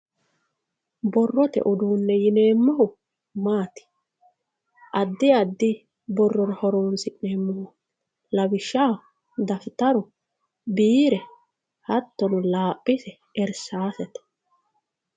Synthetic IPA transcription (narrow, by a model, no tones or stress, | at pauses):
bɔrːɔt̪ɛ̰ʔʊd̪uːnːɛjɪneːmːɔhʊ | maːt̪ɪ̥ | ʔɐd̪ːɪɐd̪ːɪ | bɔrːɔɾɐhɔɾoːnsɪʔneːmːɔhʊ | lɐbɪʃːaː | d̪ɐft̪ɐɾʊ | biːɾɛ | hɐt̪ːɔnʊlaːpʼːɪsɛ | ɛɾsaːsɛt̪ɛ̥